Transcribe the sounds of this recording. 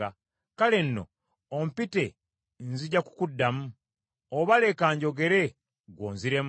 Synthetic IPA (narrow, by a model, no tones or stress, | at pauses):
a | kalenːo̞̰ | ompite̞ | nziɟaku̥kudːamu | oβale̞kaːɲɟo̞ɡe̞ɾe̞ | ɡwo̰ːnziɾe̞m